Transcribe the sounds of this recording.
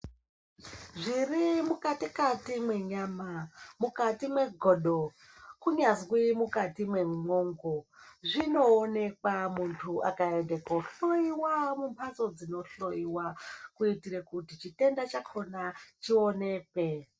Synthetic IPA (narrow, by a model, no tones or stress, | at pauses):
ʐirimukatikatimwe̞ɲaːmamukatimwe̞ɡʱoɗo | kuɲazwimukatimwe̞mŋoːŋɡoʐino̞ːne̞kwamuntʰuʔa̰kaendekoɬo̞jiwamumpʰaso̞d͡zino̞ɬo̞jiwakuitiɾekutit͡ʃite̞ndat͡ʃakʰo̞nat͡ʃione̞ːkwe